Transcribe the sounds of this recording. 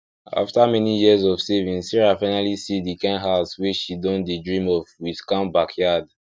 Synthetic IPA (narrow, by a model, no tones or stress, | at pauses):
a̰ftamɛnijiəzɔvsevĩnsiɹafaɪ̃nalisidikãnɦaswiʃidɔ̃ndedɹĩmɔvwið̥kãmbakʰjad